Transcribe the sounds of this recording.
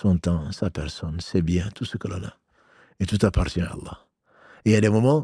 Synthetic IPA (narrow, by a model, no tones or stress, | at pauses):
sɔ̃t̪ɑ̃sapɛʁsɔnsɛbjɛ̃t̪usəkəlɔ̃na̰ | et̪ut̪apaʁt̪jɛ̃a̰ːlˠːɑ̰ | eiad̪emɔmɑ̃